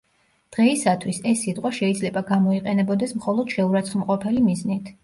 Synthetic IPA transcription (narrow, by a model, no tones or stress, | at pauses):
d̪̥ʁɛisat̪ʰwisɛsːit̪ʼqʼwaʃɛid̪zlɛbaɡamɔiqʼɛnɛbɔd̪ɛsmχɔlˠɔd̪̥ʃɛuɾat̪sʰχmqʼɔpʰɛlimiznit̪ʰ